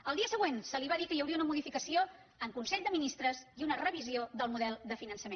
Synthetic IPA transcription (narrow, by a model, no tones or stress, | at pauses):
əlˠd̪iəsəɣwensəliβaðikəjəwɾiəunəmuðifikəsio | əŋkunsɛʎd̪əminist̪ɾəziunərəβizioðəlˠmuðɛlˠd̪əfinənsəmen